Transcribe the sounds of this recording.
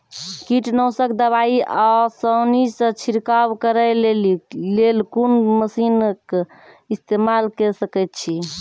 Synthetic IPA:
kiʈnɔsək̚d̪əbaiʔasəwnisə̃t͡ʃʰiɾkawkəɾəlelilelkunməsink | ist̪emalkɛsəkɛt̪̚t͡ʃʰi

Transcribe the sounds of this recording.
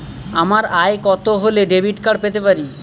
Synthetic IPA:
amaɾajkɔt̪oɦoleɖebiʈkaɽpet̪epaɾi

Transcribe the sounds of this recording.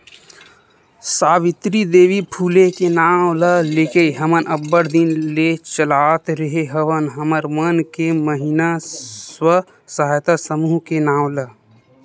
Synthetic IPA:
saːʋit̪ɾid̪eːʋipʰuːlekenaːw̃ləlekeɦəmənʔəbːəɾd̪inlet͡ʃəlat̪ɾəɦeɦəʋənɦəməɾmənkeməɦinaswə | səɦajt̪asəmuɦkenaːwlə

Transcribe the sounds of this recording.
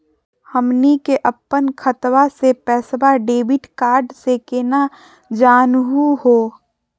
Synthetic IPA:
həmnikeʔəpːənkʰət̪ʋasepɛːsbaɖeːbɪʈkaːɾɖsekeːna | d͡ʒaːnɦuɦoː

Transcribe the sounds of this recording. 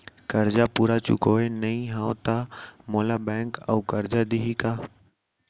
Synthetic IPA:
kɐɾd͡ʒapuːɾat͡ʃʊ̰koːenɐɦĩɦãːõt̪amoːlabɛ̃ːŋkə̰ukɐɾd͡ʒad̪ɪɦikaː

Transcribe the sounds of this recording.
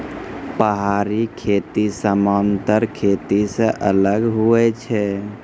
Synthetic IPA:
pəɦaɾikʰet̪isəmant̪əɾkʰet̪isə̃ʔələɡɦuɛt͡ʃʰɛ

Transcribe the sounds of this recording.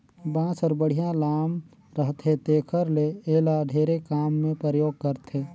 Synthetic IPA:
bãːsɔːɾbəɽ̤ijãlaːm | ɾəɦt̪ʰet̪eːkʰəɾleeːlaɖʱeːɾekaːmːẽpɾəjoːɡ̚kəɾt̪ʰeː

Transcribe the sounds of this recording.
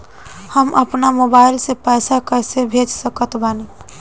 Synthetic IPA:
həmʔəpnamobaɪlsepɛːsakəɾsebʱed͡ʒsəkət̪bane

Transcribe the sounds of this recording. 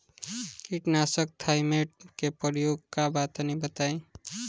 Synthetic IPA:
kiʈnasək̚t̪ʰajmeʈ̚kepəɾjoɡkabat̪nĩbət̪aĩ

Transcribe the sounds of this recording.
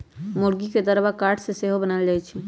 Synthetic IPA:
moɾɡiked̪əɾbakaɾʈʰsẽseɦobənald͡ʒajt͡ʃʰɛ

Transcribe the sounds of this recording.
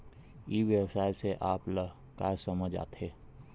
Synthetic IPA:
iːʋjəwsaːjseʔaːplə | kaːsəməd͡ʒa̰ːt̪heː

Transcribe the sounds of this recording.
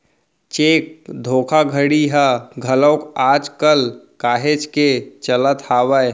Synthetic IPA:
t͡ʃeːkd̪ʱoːkʰaɡʱəɽiɦəɡʱələʊkaːd͡ʒkəlkaːɦed͡ʒket͡ʃələt̪haːwəj

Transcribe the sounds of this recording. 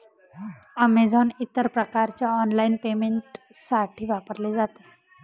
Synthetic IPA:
əmed͡zʱɔnit̪əɾpɾəkaɾt͡ɕjaɔnlainpemeɳʈ | saʈʰiːʋapəɾled͡zat̪e

